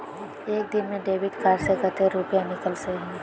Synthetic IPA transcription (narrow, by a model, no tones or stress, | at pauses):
eːk̚d̪ɪnmẽɖeːʋɪʈkaːɾsekət̪eɾupijanɪkəlseɦɛ̃